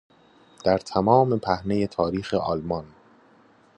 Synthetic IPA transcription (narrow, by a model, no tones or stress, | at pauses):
d̪̥æɾt̪ʰæmɒːme̞pʰæhne̞je̞t̪ʰɒːɾiːxe̞ʔɒlmɒn